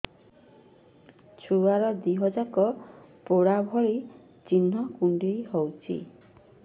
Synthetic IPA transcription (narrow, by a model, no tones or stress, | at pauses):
t͡ʃʰuaɾɔd̪iɦɔd͡ʒakɔpoɽabʱɔɾi | t͡ʃinɦɔkuɳɖiɦɔwt͡ʃʰḭ